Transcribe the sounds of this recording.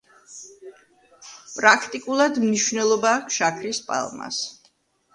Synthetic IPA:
pʼɾakʰt̪ʼikʼulˠad̪mniʃvnɛlˠɔbaːkʰʃakʰɾispʼa̰lˠma̰s

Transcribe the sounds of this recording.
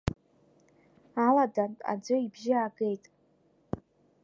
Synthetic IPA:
aladantʼa̰d͡ʒʷɨibʒɪaɡe̞jtʼ

